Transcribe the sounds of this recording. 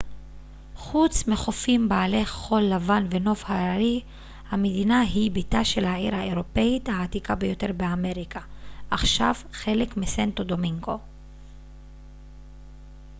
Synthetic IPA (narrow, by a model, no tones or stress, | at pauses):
χut͡smeχo̞fimbaːle̞χːolːavanve̞no̞fhaaʁi | hamed̪inaɦibitaʃe̞lhaʕiʁhaeʁo̞pe̞it̪haːtikabejo̞te̞ʁbeame̞ʁikʰaʔaχʃavχe̞le̞kmisento̞do̞miŋɡo̞